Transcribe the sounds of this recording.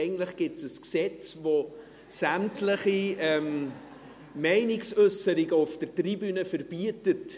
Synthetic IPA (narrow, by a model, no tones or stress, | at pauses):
ɪɡn̩tləχɡ̥ɪtsəsksɛt͡svo | sæmtləχiɛm | mɛɪnɪksʏsəɾɪɡəʊfd̥ətribynəfərb̥iətət